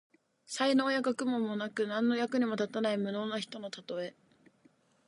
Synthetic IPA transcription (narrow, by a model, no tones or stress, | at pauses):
saino̞ːjakakɯ̟mõ̞mːo̞nakɯ̟nãnːo̞jakɯ̟ɲ̟imo̞t̪at̪anaimɯ̟no̞ːnaçi̥t̪o̞no̞t̪at̪o̞e̞